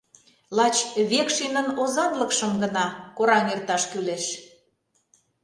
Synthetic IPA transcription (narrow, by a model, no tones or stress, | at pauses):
lɑt͡ɕβekʃenə̆nozɑt̪ləkʃəmɡənɑkoɾɑŋert̪ɑʃkyleʃ